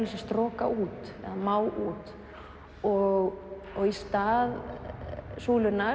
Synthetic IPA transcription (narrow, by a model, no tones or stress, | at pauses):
lɪsast̪ɾɔːkaʔuːt̪ɛ̰ðamaːwʔuːt̪ | ɔɣ | ɔɣist̪aːð | suːlʏnːa